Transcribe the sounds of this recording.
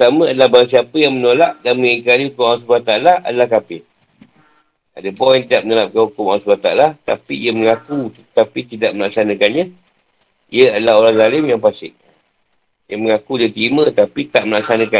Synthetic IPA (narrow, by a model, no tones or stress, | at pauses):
ət̪amə̃adəlahbaɾas̬iapəjaŋmənolaʔdanməikalihukʊmawasbat̪alaa̰dəlahkapɪ | a̰dəbɔjaŋt̪idaʔmənolap̚kanhukʊmawasbat̪a̰alat̪a̰piijəməŋaku | t̪apit̪idaʔməlaksanə̃kanɲa | ijəadəlahoɾaŋzalɪmjaŋpasɪk̚ | jaməŋakudət̪ɾimə̃t̪apit̪aʔməlaksanə̃ka